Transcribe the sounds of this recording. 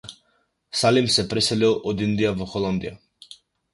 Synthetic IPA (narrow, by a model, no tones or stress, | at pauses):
salimsɛpɾɛsɛlilˠɔd̪ind̪ijavɔxɔlˠand̪ḭja